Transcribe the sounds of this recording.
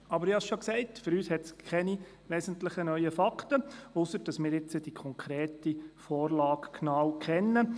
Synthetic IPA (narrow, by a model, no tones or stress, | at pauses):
ɑbəɾɪhɑsʃoksɛɪtfɵɾyːshɛtskʰχɛni | ʋɛːsən̩tləχənœʏəfɑktəʊsəɾd̥ɑsmɪːɾɪt͡səd̥ikʰɔŋkʰɾeːtifɔːrlɑːkknɑːwkʰχɛnːə